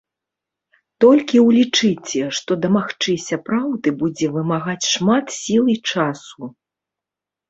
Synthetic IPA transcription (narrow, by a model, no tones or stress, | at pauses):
t̪ɔlʲkʲiwlʲit͡ʂɨt͡sʲɛʂt̪ɔd̪ɐmaxt͡ʂɨsʲɐpɾawd̪ɨbud͡zʲɛvɨmaɣat͡sʲʂmat̪sʲilˠit͡ʂasu